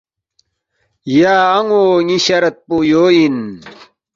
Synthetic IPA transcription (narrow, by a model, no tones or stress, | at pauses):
jaːŋoːŋiɕɐɾɐt̪̚pujoːin